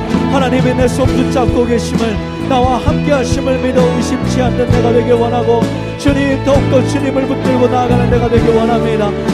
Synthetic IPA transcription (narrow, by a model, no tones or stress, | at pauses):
hanaɲimenesʰomkut͡ɕ͈ak͈oɡe̞ɕʰimɯɭ | nawahamk͈e̞ɦaɕʰimɯɭmidoiɕʰip̚t͡ɕʰianːɯnːe̞ɡadwe̞ɡewʌnɦaɡo | t͡ɕuɲit̪ʌuk̚t͈ot͡ɕuɲimɯɭput̚k͈ɯɭɡonaɡanɯnːe̞ɡadwe̞ɡewʌnɦamɲida